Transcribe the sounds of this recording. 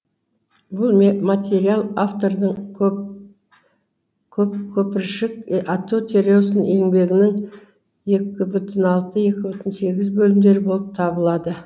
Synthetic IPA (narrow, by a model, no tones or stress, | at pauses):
bʊlˠmmat̪ʲe̞ɾialˠaft̪o̞ɾd̪əɴ | kʲʰɵp̚kʲʰɵpɪɾʃɪkat̪ːot̪ʲʰe̞ɾʲe̞wsəne̞ŋbe̞ɡʲɪnɪŋ | je̞kʲɪbʏt̪ʰɪnɑlˠt̪əje̞kʲɪbʏt̪ɪnse̞ɡʲɪzbɵlɪmd̪e̞ɾɪbo̞lˠəp̚t̪ʰɑbəlˠɑd̪ə